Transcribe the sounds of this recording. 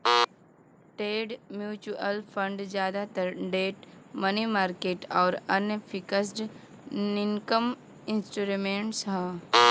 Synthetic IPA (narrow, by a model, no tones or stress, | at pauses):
ʈeːɖmjuːt͡ʃuʔəlpʰə̃ɳɖd͡ʒjaːd̪at̪əɾɖeːʈmənimaːɾkeːʈɔːɾɐnepʰikəs̬ʈ | niŋkəm | ɪnsʈuɾimẽɳʈsɦə̃